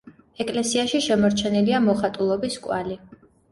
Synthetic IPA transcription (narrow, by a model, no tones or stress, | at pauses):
ɛkʼlɛsiaʃiʃɛmɔɾt͡ʃʰɛniliamɔχat̪ʼulˠɔbiskʼwa̰li